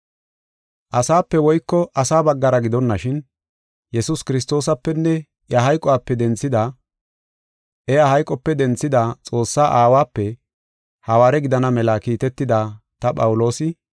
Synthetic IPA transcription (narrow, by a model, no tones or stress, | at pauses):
ʔɐsaːpːɛwɔjkːɔʔɐsaːbɐɡːɐɾɐɡɪd̪ɔnːɐʃɪn | jɛsʊskɪɾɪs̬t̪o̞ːs̬ɐpːɛnːɛ | ʔjɐɦɐjkʼɔwaːpːɛd̪ɛnt͡sːɪd̪a | ʔɛjahɐjkʼɔpːɛd̪ɛnt͡sːɪd̪at͡sʼo̞ːsːaːʔaːwaːpːɛ | hɐwaːɾɛɡɪd̪ɐnɐmɛlaːkiːt̪ɛt̪ːɪd̪aːt̪ɐpʼɐwʊlo̞ːsɪ